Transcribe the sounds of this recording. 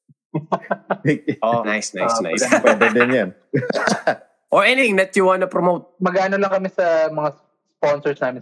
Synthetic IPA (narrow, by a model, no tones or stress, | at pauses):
ʔonajsna̰jsna̰spɛbɛd̪ɛnjɐn | ʔoɹʔɛnɪɪ̃ŋd̪ɐt̪̚juwãnɐpɾɔmowt̪̚mɐɡaːnolɐŋkɐmɪsɐmɐŋa | sponsɔɹsnaːmɪ̃n